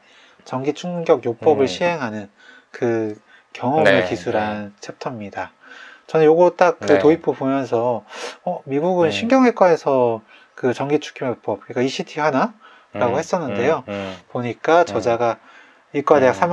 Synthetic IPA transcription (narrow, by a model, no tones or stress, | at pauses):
t͡ɕʌŋɡit͡ɕʰuŋɡjʌɡjop͈ʌbɯɭɕʰiɦe̞ŋɦanɯn | kɯ | kjʌŋʌbɯkisʰuɾɦant͡ɕʰep̚tʰʌmɲida | t͡ɕʌnɯnjoɡʌt͈ak̚kːɯtoipʰopomjʌns̬ʰʌʌmiɡuɡɯnɕʰinɡjʌŋɦek͈wae̞sʰʌ | kɯt͡ɕʌŋɡit͡ɕʰu̥kʰijop͈ʌp̚kɯik͈aiɕʰitʰihana | ɾaɡohe̞s͈ʌnːɯnde̞jopoɲik͈at͡ɕʌd͡ʑaɡa | iɭk͈wadejaksʰam